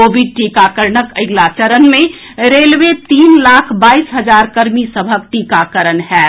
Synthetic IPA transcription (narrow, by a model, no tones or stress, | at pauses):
oːbʱiɖ̚ʈikakəɾnəkəɪɡlat͡ʃəɾənmẽ | ɾeːlʋet̪iːnlaːkʰbaːisɦəd͡ʒaːɾkəɾmisəbʱək̚ʈiːkakəɾənɦɛː